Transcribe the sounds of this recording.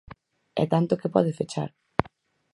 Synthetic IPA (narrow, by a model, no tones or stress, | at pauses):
ɛ̰t̪ant̪okɪpɔ̰ðɪfet͡ʃa̰ɾ